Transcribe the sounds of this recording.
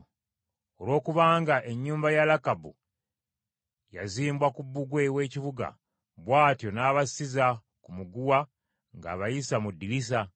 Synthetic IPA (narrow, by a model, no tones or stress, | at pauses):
o̞lwo̞ːkuβaːŋɡaʔe̞ɲːuːmbajalakabṵ | ja̰ziːmbwakubːuɡwe̞we̞ːciβuɡa̰ | βwaːtjo̞naːβasiza | kumuɡuwa | ŋɡa̰ːβajisamudːilis̬a